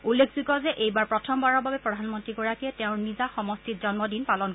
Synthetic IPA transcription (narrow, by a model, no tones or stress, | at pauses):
ulːekʰzikɔzɛʔejbaɹpɹɔtʰɔmbaɹɔbabɛpɹɔdʱanmɔntɹiɡɔɹakɛtɛʊ̃ɹnizaxɔmɔstitzɔnmɔdinpalɔnk